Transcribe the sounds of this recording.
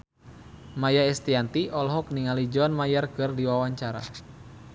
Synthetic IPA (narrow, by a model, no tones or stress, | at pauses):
majaɛst̪iant̪iʔɔlɦɔk̚niŋalid͡ʒɔnmajarkɨrdiwawaɲt͡ʃaɾa̰